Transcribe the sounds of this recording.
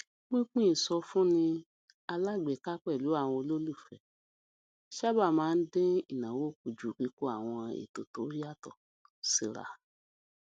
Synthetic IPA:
k͡pĩ˦k͡pĩ˦i˨sɔ˧fũ˦nĩ˧ | a˧la˦˨ɡ͡be˨ka˦k͡pɛ˦˨lu˨˦a˦˨w̃ɔ̃˧lo˦lu˦˨fɛ˨ | ʃa˦ba˦˨mãː˨˦n̩˦dẽ˦i˦˨nã˨wo˨˦˨k̚u˨d͡ʒu˨ki˧ko˧˦a˦˨w̃ɔ̃˧ḛ˨to˨to˨˦ja˦˨tɔ˨ | si˧ɾa̰˨

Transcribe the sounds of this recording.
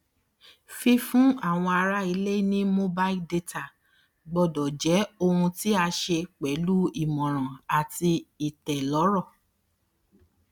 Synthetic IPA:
fi˧fũ˦a˦˨w̃ɔ̃˧a˧ɾa˦i˧le˦i˦nĩ˦mo˦ba˦˧i˦lde˧ta˦˨ | ɡ͡bɔ˧˨dɔ˨d͡ʒɛ˨˦o˧hũ˧ti˦a˧ʃe˧k͡pɛ˨˦lu˦i˦˨mɔ̃˨ɾ̃ã˨a˨ti˧i˨tɛ˨lɔ˨˦ɾɔ˦˨

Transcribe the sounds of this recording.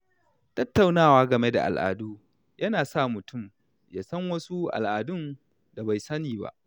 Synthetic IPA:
tɐ˦tːa˨wnaː˦˨waː˦ɡɐ˨me˦da̰˨ʔa̰˨lʔa̰ː˨duː˦ | jʔɐ˦naː˨saː˦˨mʊ˨tʊ˦˨m | jaː˨sɐ˦ŋwɐ˦su˦ʔa̰˨lʔaː˨dʊ˦n | da˨ba˨jsɐ˦niː˨ba̰˦ʔ

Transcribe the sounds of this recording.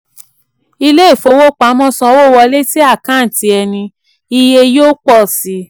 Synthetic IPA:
i˧le˦i˦˨fo˨˧wo˦k͡pa˨˦mɔ̃˦sã˧˦wo˦˨wɔ˧le˦si˦a˦˨kã˨˦n̩˨ti˧ɛ˧nĩ˧ | i˧je˧joː˦k͡pɔ˦˨si˨˦

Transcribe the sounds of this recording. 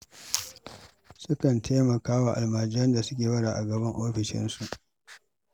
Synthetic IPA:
sʊ˦kɐ˨ntʰeː˦mɐ˨kaː˦wa˨ʔa̰˨lmaː˨d͡ʒɪ˦ɐ˦nda˨sʊ˦kʲeː˨wɐ˦ɽaː˨ʔa˨ɡɐ˨bɐ˦ŋʔoː˦ɸɪ˨ʃɪ̰˦nsu˨ʔ

